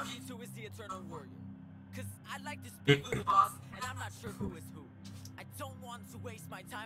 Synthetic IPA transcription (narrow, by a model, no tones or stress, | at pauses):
ihuɨzðiɨ̃tʰɜ̃˞nl̩ˠwɜ˞iə̰˞ | kʰʌzaɪlaɪk̚tʰɨspluɨvɔs | ɨ̃nãɪ̃mnətʃʊɹhuɨz̥hu | aɪdõʊ̃nʔwɑ̃ntʰəweɪst̚maɪtʰãɪ̃